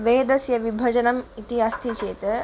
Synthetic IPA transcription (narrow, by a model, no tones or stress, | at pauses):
ʋeːd̪ɐsjɐʋibʱɐd͡ʒɐnɐmit̪iɐst̪ʰit͡ʃeːt̪ɐ